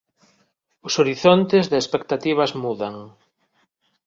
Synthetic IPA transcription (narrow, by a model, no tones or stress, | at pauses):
ʊsoɾiθont̪ɪzðɪespekt̪at̪iβ̞ɐzmuðaŋ